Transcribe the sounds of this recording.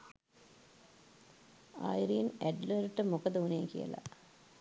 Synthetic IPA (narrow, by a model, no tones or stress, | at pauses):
a̰jɾiːnæɖləɾʈəmokəd̪əuneːkijə̰la̰